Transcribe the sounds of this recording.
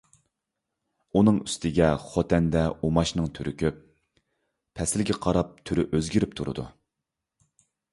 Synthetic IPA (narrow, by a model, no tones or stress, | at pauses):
unɨŋyst̪ʰɪɡʲɛχot̪ʰɛnd̪ɛumɑʃnɨŋt̪ʰyɾykʲyp̚ | pʰɛsɪlɡʲɛqʰɑɾɑp̚t̪ʰyɾyʔøzɡʲiɾyp̚t̪ʰuɾɨ̰d̪ṵ